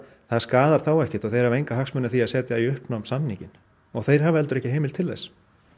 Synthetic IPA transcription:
θaðskaːðaɾ̥θawɛhcɪt̪ɔɣθejɾhavejŋkaɦaksmœnːaθiaðsɛːt̪jaiʏhpnamsamniŋcɪn | ɔɣθejɾ̥havɛlt̪ʏɾɛhcɪɦeːjmɪlt̪ʰɪlðɛ̰js

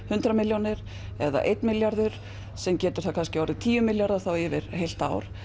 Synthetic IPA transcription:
hʏnt̪ɾamɪljonɪɾ̥ | ɛða̰ʔejt̪nmɪljaɾðʏɾ̥ | sɛmcɛːt̪ʏɾ̥θakʰanscɪawɾɪt̪ʰiːjʏmɪljaɾðaθawɛvɪɾ̥hejl̥t̪a̰wɾ̥

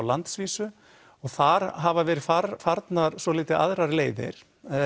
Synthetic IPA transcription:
wlant̪sviːsʏ | ɔɣθaɾ̥ɦavavɛːɾɪfaɾfaɾt̪naɾsvɔliːt̪ɪa̰ðɾaɾleːjðɪ̰ɾ̥

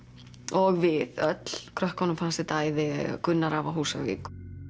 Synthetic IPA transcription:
ɔɣvɪðœt̪l̥kʰɾœhkɔnamfʰansɪt̪aːjðɪ̰ɣa̰kʏnːaɾavaɦuːsaɣvḭːk

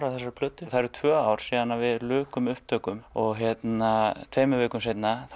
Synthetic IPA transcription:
ɾaθɛsːaɾpʰlʏt̪ːʏθaɾ̥t̪ʰvœːaːwɾ̥siːðanːavɪðlʏːkʏmʏhp̚t̪ʰœːkʏmɔɣɦjɛt̪nat̪ʰvejmʏveːkʏms̬ejt̪na

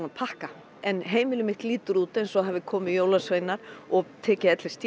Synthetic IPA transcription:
apʰahka | ɛnɦeːjmɪlɪmɪht̪liːt̪ʏɾuːt̪ejnsɔɦavɪkʰɔːmɪjowlasvejnːaɾ̥ɔɣt̪ʰɛːcɪɛt̪lɪ̥st̪

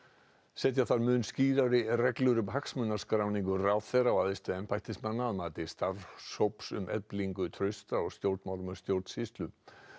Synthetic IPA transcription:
sɛːt̪jaθaɾmʏːnsciːɾaɾɪrɛklʏɾʏmɦaksmʏnːaɾ̥skɾawniŋkʏraːwðθɛɾawaðɪst̪ʏɛmpʰajht̪ɪsmanːaaðmaːt̪ɪst̪aɾsowpsʏ̰mʔɛ̰pliŋkʏt̪ʰɾœɥst̪aɔɣst̪jowɾt̪mawɾmʏst̪jowɾt̪sist̪lʏ

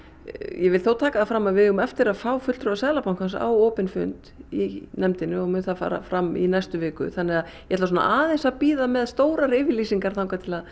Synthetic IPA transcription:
jʔɛvɪlθoːwt̪ʰaːkaθafɾamːavɪɣʏmɛft̪ɪɾaðfaːwfʏt̪t̪ɾʏasɛːðlapawnkʰansa̰woːpɪnfʏ̰nt̪inɛmt̪ɪnʏɔmʏnθafa̰ːɾa̰fɾamːḭnajst̪ʏvɪːkʏ̰θanːɛɣaðjjɛɛt̪lasɔna̰ʔaːðɪnsapiːðamɛðst̪oːwɾaɾɪːvɪlisiŋkaɾ̥θawŋkat̪ʰɪlað

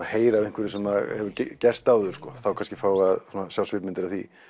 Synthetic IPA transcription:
aheːjɾavẽŋ̥kvɪɾɪsɛmahɛvʏccɛrst̪aːwðʏɾ̥skɔθawkʰanscɪ̥faːwaðsunasjawsvɪɾmɪnt̪ɪɾaθḭ

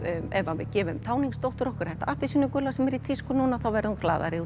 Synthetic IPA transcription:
ɛvavɪ̰ðcɛːvʏmt̪ʰaːwniŋkst̪owht̪ʏɾɔhkʏɾ̥θɛht̪aʔahpɪsʏnʏkʏlasɛmɛɾit̪ʰiskʏnuːnaθawvɛɾðhunkla̰ːða̰ɾɪu

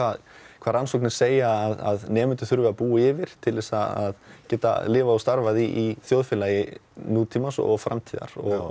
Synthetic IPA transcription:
vakʰvaːðɾansowknɪ̥seːjaːða̰ðnɛːmʏnt̪ʏθʏɾvʏapuːɪvɪɾ̥t̪ʰɪlvɛsaa̰ðcɛːt̪a̰lɪːvaɔst̪aɾvaðiʔiθjoːwðfɪlajɪnuːt̪ʰiːmasɔ̰ɣfɾa̰mt̪ʰiːða̰ɾ̥ɔɣ

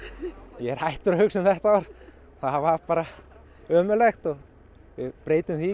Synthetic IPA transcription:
jɛɾ̥hajht̪ʏɾhʏksɪmθɛht̪aaɾ | θaðvaɾpaːɾa | œːmʏlɛxt̪ɔɣ | ʋɪpɾeːjt̪ɪmθi

